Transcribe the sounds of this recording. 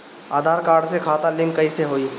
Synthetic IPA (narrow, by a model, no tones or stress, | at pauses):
aːd̪ʱaːɾkaːɾɖsekʰaːt̪alɪ̃ŋkːɐiseɦoːi